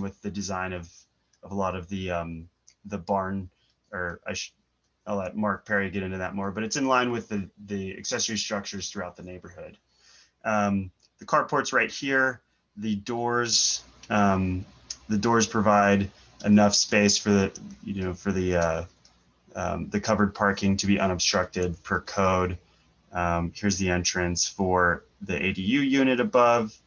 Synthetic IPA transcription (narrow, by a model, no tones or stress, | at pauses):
wɨðɨdɨzãɪ̃nʌv | ʌvəlɔɾʌvðɨʌ̃m | ðəbɑɹn | ə˞a̰ɪʃ | aɪlɛt̚mɑɹk̚pʰɛɹiɡɛɾɪ̃ntɨðɨt̚mɔɹbʌɾɨtsɨ̃nlãɪ̃nwɨðɨðiɨ̰ksɛsə˞istɹ̥ʌk̚t͡ʃə˞z̥θɹʉaʊt̪̚ðɨneɪbə˞hʊd̥ | ʔʌ̃m | ðɨkʰɑɹ̚pʰɔɹtsɹaɪt̚hiɹ | ðɨdɔɹz̥ | ʌ̃m | ðɨdɔɹz̥pʰɹ̥ɨvaɪɾ | ʔɨnʌfspeɪsfə˞ðɨjɨ̰noʊfə˞ðɨʌ | ʌ̰ðɨkʰʌvə˞d̚pʰɑɹkɪ̃ŋtʰɨbiʔʌ̃ñəb̥stɹ̥ʌk̚tɪd̚pʰə˞kʰoʊd | mhiɹzðiɛ̃nt͡ʃɹ̥ɨ̃nsfə˞ | ðiʔḛɪɾijʉjʉñɨɾɨbʌv̥